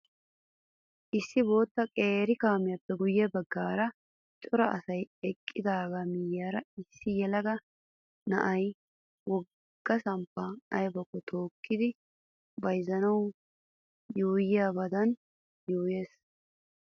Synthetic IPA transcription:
ʔɪsːɪbo̞ːt̪ːɐkʼeːɾɪkaːmɪjɐpːɛɡʊjːɛbɐɡːaːɾɐ | t͡ʃʼɔɾɐʔɐ̰sɐjɛkʼːɪd̪aːɡamɪjːaːɾɐɪsːɪjɛlɐɡɐ | nɐ̰ʔɐj | wɔ | ɡ̥ːɐsɐmpːɐɐjbɔkːɔt̪ʰo̞ːkːɪd̪ɪ | bɐjzɐnɐw | juːjɪjaːbɐd̪ɐn | juːje̞ːs

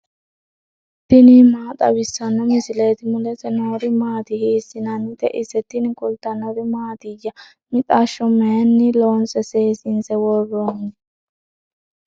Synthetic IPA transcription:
t̪ːɪnimaːt̪ʼɐ̰bɪsːɐnːɔmɪsɪleːt̪ɪmʊlɛsɛnoːɾɪmaːt̪ɪhiːsːɪnɐnːɪt̪ɛʔɪsːɛt̪ːɪnɪkʊlt̪ːɐnːɔɾɪmaːt̪ɪjːɐ | mɪt̪ʼaʃːɔmɛɛnːɪloːnsɛseːsɪnsɛwɔrːoːnɪ

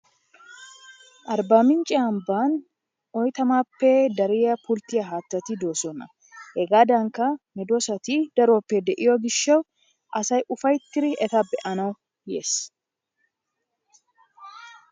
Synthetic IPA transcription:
ʔɐɾbaːmɪnt͡ʃʼːɪɐmbaːn | ɔjt̪ɐmaːpːɛd̪ɐɾɪjɐpʊlt̪ɪjɐɦaːt̪ːɐt̪ɪd̪o̞ːsɔnɐ | hɛɡaːd̪ɐŋkːɐmɪd̪osɐt̪id̪̥ɐɾoːpːɛd̪ɛʔɪjɔɡɪʃːɐw | ʔɐsɐjʊfɐjt̪ːɪɾɪʔɛt̪ɐbɛʔɐnɐw | jeːs

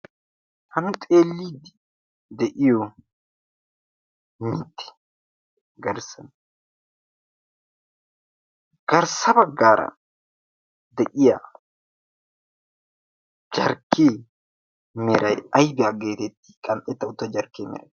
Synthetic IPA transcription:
hɐmʊt̪ʼeːlːiːd̪ | d̪ɛʔɪjɔ | mɪt̪ːɛ̥ | ɡɐɾsɐn | ɡ̥ɐɾsɐbɐɡːaːɾɐ̰ | d̪ɛʔɪja | d͡ʒɐɾkːeː | mɛɾɐjɐjbɪɐɡeːt̪ɛt̪ːi̥kʼɐnʔɛt̪ːɐʊt̪ːɐd͡ʒɐɾkeːmɛ̰ɾɐ̰j

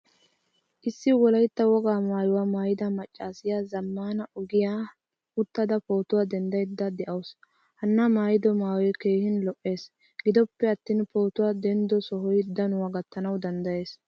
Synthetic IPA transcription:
ʔɪsːɪwɔlɐjt̪ːɐwɔɡaːmaːjʊwamaːjɪd̪ɐmɐt͡ʃʼːaːsɪjazɐmːaːnɐʊɡɪjaː | ʊt̪ːɐd̪ɐpo̞ːt̪ʊwaːd̪ɛnd̪ɐjd̪ːɐd̪ɛʔɐws | hɐnːɐmaːjɪd̪ɔmaːwɔjkeːhɪnlɔʔːe̞ːs | ɡɪd̪ɔpːɛɐt̪ːiːnpo̞ːt̪ʊwad̪ɛnd̪ɔsɔɦɔjd̪ːɐnʊwaɡɐt̪ːɐnɐwd̪ɐnd̪ɐje̞ːs

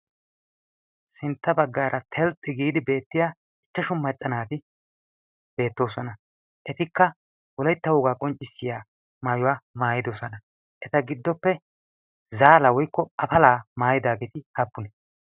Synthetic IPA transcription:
sɪnt̪ːɐbɐɡːaːɾʔɐt̪ʰɛlt̪ʼːɪɡiːd̪ɪbe̞ːt̪ːɪjaː | ɪt͡ʃːɐʃʊmːɐt͡ʃʼːɐnaːt̪ɪ | b̥e̞ːt̪ːo̞ːsɔnɐ | ʔɛt̪ɪkːɐ | wɔlɐjt̪ːɐwʊɡaːkʼɔnt͡ʃʼːɪsːɪjaː | maːjʊwaːmaːjɪd̪osɔnɐ | ʔɛt̪ɐɡɪd̪ːɔpːɛ | zaːlɐwɔjkːɔɐfɐlaːmaːjɪd̪aːɡeːt̪ɪhɐpːʊnɛ

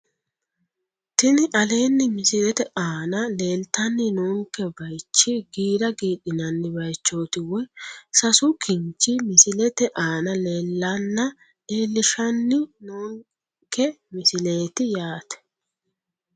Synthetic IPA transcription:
t̪ɪnɪʔɐle̞ːnːɪmɪsɪlɛt̪ɛʔaːnɐle̞ːlt̪ɐnːɪnuːŋkɛbɐjt͡ʃːɪɡiːɾɐɡiːɗɪnɐnːɪbɐjt͡ʃːo̞ːt̪ɪwɛsɐsʊkʰɪnt͡ʃːɪmɪsɪlɛt̪ɛʔaːnɐle̞ːlːɐnːɐ | eːlːɪʃɐnːɪnuːŋ | kɛmɪsɪle̞ːt̪ɪjaːt̪ɛ̥

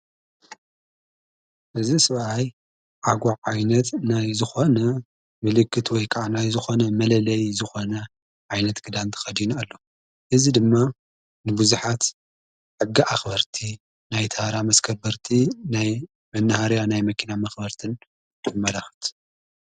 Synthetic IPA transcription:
ʔɨzisɨβʔaj | ʕaɡʷaʕʕajnɐt̪najzɨxo̞nɐ | mɨlɨkːɨt̪wɔjkʰʼaʕanajzɨxo̞nɐmɐlɐlɐjzɨxo̞nɐ | ʕajnɐt̪ɡ̥ɨd̪ant̪ʰɨ̥xɐd̪inalːo̞ | ʔɨzid̪ɨmːa | nɨbuzuħat̪ | ħɨɡːiʔaxbɐɾt̪ʰi | najt̪ʰahɾamɐskʰɐbɐɾt̪ʰinaj | mɐnːɐhaɾjanajmɐkʰinamɐxbɐɾt̪ʰɨn | kʰɨmːɐlaxɨ̥t̪ʰ

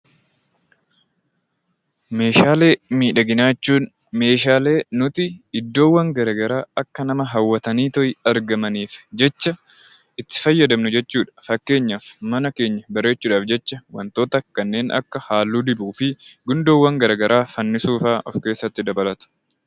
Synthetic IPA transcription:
me̞ːʃaːle̞ːmiːᶑɐɡɪnaːt͡ʃːuːn | me̞ːʃaːle̞ːnʊt̪ɪɪd̪ːo̞ːwːɐŋɡɐɾɐɡɐɾaːɐkːɐnɐmɐɦɐwːɐt̪ɐniːt̪ɔjɪɐɾɡɐmɐniːfd͡ʒɛt͡ʃːɐ | ʔɪt̪ːɪ̥fɐjːɐd̪ɐmnʊd͡ʒɛt͡ʃːuːᶑɐ̥fɐkːe̞ːɲːɐfmɐnɐke̞ːɲːɐbɐɾe̞ːt͡ʃːuːᶑaːfd͡ʒɛt͡ʃːɐwɐ̰nt̪o̞ːt̪ɐkɐnːe̞ːnʔɐ̰kːɐhaːlːuːd̪ɪbuːfɪɡʊnd̪oːwːɐŋɡɐɾɐɡɐɾʔaːfɐnːɪsuːfaːʔɔfke̞ːsːɐt̪ːɪd̪ɐbɐlɐt̪ʊ̥

